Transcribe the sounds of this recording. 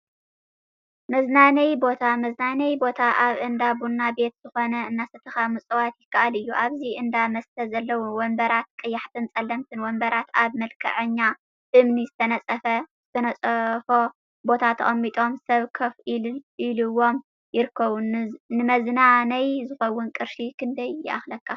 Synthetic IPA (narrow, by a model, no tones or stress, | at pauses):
mɐznanɐjbo̞t̪ʰamɐznanɐjbo̞t̪ʰaʔaβʔɨnd̪abunːabe̞t̪z̥ɨxo̞nɐɨnːasɨt̪ʰɐxamut͡sʼɐwat̪jɪkʰːaʔalɨjːuʔaβziʔɨnd̪amɐst̪ʰɐzɐlːɐwuwɔmbɐɾat̪̚kʼɨjːaħt̪ʰɨnt͡sʼɐlːɐmt̪ʰɨnwɔmbɐɾat̪aβmɐlkʰɐ̰ʕɨɲːa | ʔɨmnizɨt̪ʰɐnɐt͡sʼɐfɐz̥ɨt̪ʰɐnɐt͡sʼfo̞ | bo̞t̪ʰat̪ʰɐʔʼɐmːit̪ʼo̞msɐβkʰɐfʔilɨwo̞m | jɪɾɨkʰːɐβunnɨmɐznanɐjzɨxɐwːʊnkʼɨɾʃikʰɨnd̪ɐjːɪ̰ʔa̰xlɐkʰːa